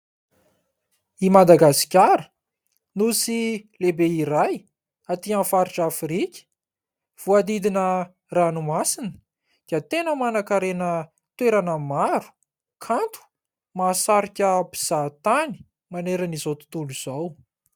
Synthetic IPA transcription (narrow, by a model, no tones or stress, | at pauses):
imad̪aɡasi̥kʲaɾə | nusilebeiɾaj | at̪ianfaɾiʈ͡ʂafɾikʲə̥ | v̥uad̪id̪inə | ranumasinə̥ | d̪̥iət̪enəmanakaɾenə | t̪weɾanəmaɾu̥ | kʰant̪u̥ | masaɾikʲəbiz̥at̪ani̥ | maneɾənizowt̪u̥t̪uluz̥aw